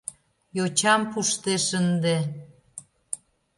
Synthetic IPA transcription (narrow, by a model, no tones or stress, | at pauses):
jot͡ɕɑmpuʃt̪eʃənd̪e